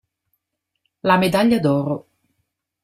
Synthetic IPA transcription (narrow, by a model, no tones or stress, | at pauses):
lamed̪aʎːad̪ɔːɾo